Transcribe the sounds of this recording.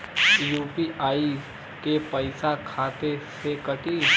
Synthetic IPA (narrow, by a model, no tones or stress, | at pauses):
jupiʔaːi | kepəɪsakʰaːt̪esekəʈi